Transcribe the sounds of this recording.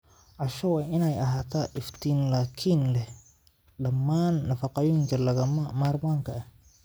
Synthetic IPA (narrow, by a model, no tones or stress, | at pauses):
ʔɐʃɐwɑːʔɪnɛjɐɦaːt̪ʰaːʔɪft̪ʰiːnlaːkʰiːnlɛh | ɖɐmːaːnːɐfɑqɑjɔːŋkʰɐlɐɣɐmamaːrmaːŋkʰɐɐh